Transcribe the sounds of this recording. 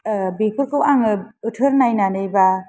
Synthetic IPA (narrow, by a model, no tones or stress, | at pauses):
bekʰuɾkɯwaŋɯɯtʰɯɾnajnanɯjba